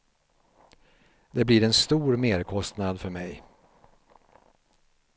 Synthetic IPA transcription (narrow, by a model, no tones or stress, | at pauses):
d̪ɛbliɾɛnst̪uːɾmeːɾkʰɔst̪nad̪fœɾmɛj